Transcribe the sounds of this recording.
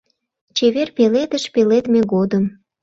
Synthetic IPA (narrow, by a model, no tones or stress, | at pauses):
t͡ɕeβerpeled̪əʃpelet̪meɣod̪əm